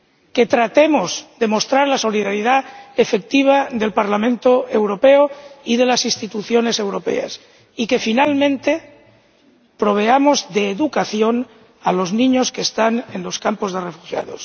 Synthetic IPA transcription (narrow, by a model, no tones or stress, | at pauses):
ke̞t̪ɾat̪emozd̪e̞mo̞st̪ɾaɾlaso̞liðaɾiðaefe̞k̚t̪iβ̞aðe̞lpaɾlamẽnt̪oe̞wɾo̞peoið̞e̞lasinst̪it̪uθjo̞ne̞se̞wɾo̞pe̞̰a̰s | ike̞finalmẽ̞nt̪e̞ | pɾo̞β̞e̞amozðeːðukaθjo̞n | alo̞znĩɲoskeːst̪anenlo̞skampo̞zðerefuxja̰ðos